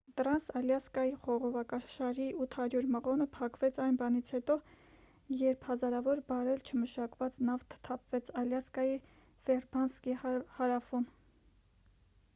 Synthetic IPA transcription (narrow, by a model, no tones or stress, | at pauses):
t̪ɾɑnsɑljɑskɑjiχɔʁɔvɑkɑʃɑɾiʔut̪ʰhɑɾjuɾməʁɔnəpʰɑkvɛt͡sʰɑjnbɑnit͡sʰhɛt̪ɔ | jɛɾpʰhɑzɑɾɑvɔɾbɑɾɛlt͡ʃʰəməʃɑkvɑt͡snɑft̪ʰt̪ʰɑpv̥ɛt͡sʰɑljɑskɑji | fɛrbɑnskihɑɾɑfun